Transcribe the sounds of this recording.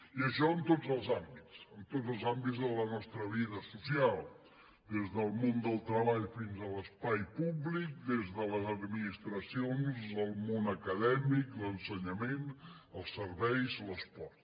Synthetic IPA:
iəʃɔənt̪od͡zəlˠzambit͡səmt̪ozəlˠzambizðələnɔst̪ɾəβiðəsusialˠ | d̪ezðəlˠmond̪əlˠt̪ɾəβaʎfinzələspajpuβlik̚d̪ezðələzəd̪minist̪ɾəsionzəlˠmonəkəðɛmiklənsəɲəmen | əlˠsəɾβɛjzləspɔɾt̪

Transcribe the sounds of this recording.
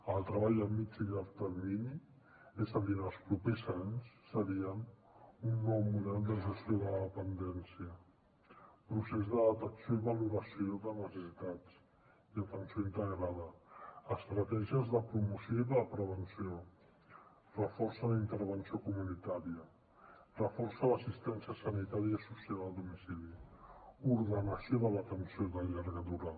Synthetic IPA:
əlˠt̪ɾəβ̞aʎəmid͡ʒilaɾt̪əɾmini | ezəðinəlˠspɾupezaɲsːəɾiən | unːɔwmuðɛlˠd̪əʒəst̪ioðələðəpənd̪ɛnsiə | pɾusezðəðət̪əksjoiβəluɾəsioðənəsəsit̪at͡s | iət̪ənsijoint̪əɣɾaðəəst̪ɾət̪ɛʒiəzðəpɾumusioiðələpɾəβənsio | rəfɔɾsəlint̪əɾβ̞ənsiokumunit̪aɾiə | rəfɔɾsələsist̪ɛnsiəsənit̪aɾiəisusialəlˠd̪umisili | uɾðənəsioðələt̪ənsioðəʎaɾɣəðuɾa

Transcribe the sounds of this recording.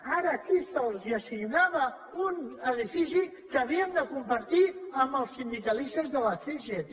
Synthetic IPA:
aɾəːkisəlˠziəsiɣnaβə | unəðifisi | kəːβiəmd̪əkumpəɾt̪iəmbəlˠsːind̪ikəlist̪əzðələseʒet̪

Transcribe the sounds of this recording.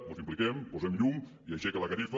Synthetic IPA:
bozimplikɛmpuzɛmʎuŋ | iaʃɛkələkaɾif

